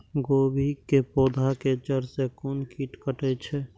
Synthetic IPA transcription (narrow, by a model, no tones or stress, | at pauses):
ɡobʱikepod̪ʱaket͡ʃəɾsekonkiʈkəʈɛt͡ʃʰɛ